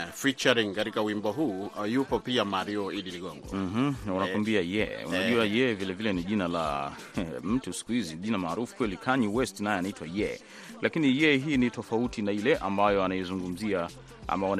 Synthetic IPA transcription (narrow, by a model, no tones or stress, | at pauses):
fit͡ʃaɾiŋkatikauwimbɔɦuːjupɔpiamaɾiɔiɗiliɠɔŋɡɔ̰m̩m̥m̩nunawambiajɛ̰ṵnaʄuajɛvilɛvilɛniʄinala̰ | m̩tusi̥kuhizinʄinamaːɾufu̥kwɛlikʰaɲiwɛstnajɛanaitwajɛ̰ | lakinijɛɦiːnitɔfautinailɛʔambajɔanaɛzuŋɡum̩zia | a̰mawan